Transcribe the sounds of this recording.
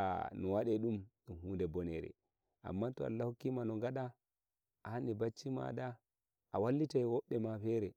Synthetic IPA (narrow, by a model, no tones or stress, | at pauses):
nɔwaɗɛɗum | inɦuːndɛbɔnɛɾɛ̰ | ʔa̰mːatɔa̰lːahokːimanɔŋɡaɗa | ʔanibat͡ʃːima̰da | ʔawalːitajwɔɓːɛmafɛɾɛ